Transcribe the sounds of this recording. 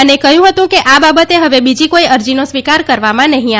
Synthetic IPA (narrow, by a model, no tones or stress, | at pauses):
ənekəɦjũɦət̪ũkeʔababət̪eɦəʋebid͡ʒikoiəɾd͡ʒinosʋikaɾkəɾʋamãnəɦĩa